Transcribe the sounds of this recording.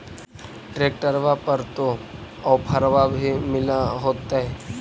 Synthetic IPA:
ʈɾeːk̚ʈəɾʋapəɾt̪o | ɔːpʰɐɾʋabʱimɪlaɦoːt̪aɦɛː

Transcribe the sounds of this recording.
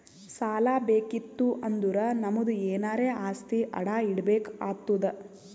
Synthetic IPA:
saːlaːbeːkit̪ːuʔɐnd̪uɾɐnɐmud̪ueːnaːɾe̞ːaːst̪iʔɐ̰ɽaːiɽbeːkaːt̪ːud̪ɐ

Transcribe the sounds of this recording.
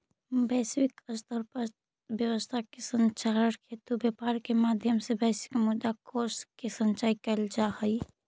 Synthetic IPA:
bɛːswɪkəst̪ʰəɾpə | bjəwəst̪ʰakesə̃nt͡ʃaːɾəɾkʰeːt̪ubjapaːɾkemaːd̪ʱjəmsebɛːsɪ̥kmʊd̪akoːɾskesə̃nt͡ʃaːikɛld͡ʒahəi

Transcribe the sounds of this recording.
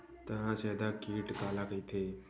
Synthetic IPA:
t̪ənãːt͡ʃeːd̪aːkiːʈkaːlaːkəiːt̪ʰeː

